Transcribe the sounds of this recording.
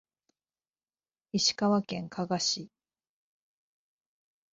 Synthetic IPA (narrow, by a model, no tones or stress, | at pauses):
iɕi̥kaβakẽ̞ŋkʰaɡaɕi